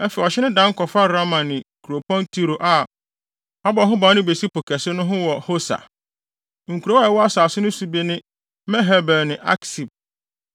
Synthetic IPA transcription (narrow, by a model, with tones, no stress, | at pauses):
ɛ˦fɛ˨ɔ˨ɕɪ˦nɪ̃˦dã˦ŋ˦kɔ˨fa˦ɾa˦mã˨nɪ̃˨kʰu˨ɾo˨pʰɔ̃˦ntʰi˦ɾo˨ʔa˨ | ɔ˦bɔ˨˦ɦʊ̃˦ba˨˦nɪ̃˦be˨si˦po˨kʰɛ˨sɪ˦nʊ̃˦ɦʊ̃˦wɔ˨ho˦sa̰˨ | ŋ̩˨kʰu˨ɾo˦ɛ˨wɔ˦a˦saː˨sʊ˦nʊ̃˦su˦be˦nɪ̃˦ | mɛ̃˦ɦɛ˨˦bɛ˨nɪ̃˨ʔa̰˦ksi˨b̚